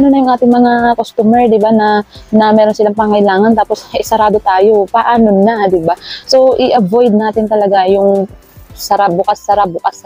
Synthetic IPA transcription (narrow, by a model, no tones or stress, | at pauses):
anonɐjʊŋʔaːt̪ɪŋmɐŋakost̪umɛɹd̪ɪbanɐnɐmɛːɾo̞nsɪlaŋpɐŋɐjlaːŋɐnt̪aːpo̞shɪsɐɾaːd̪ot̪aːjo̞pɐʔaːnonːad̪ɪbaso̞ʔɪʔɐvojd̪̚naːt̪ɪnt̪ɐlɐɡajʊŋ | sɐɾabʊkasːɐɾap̚bʊkas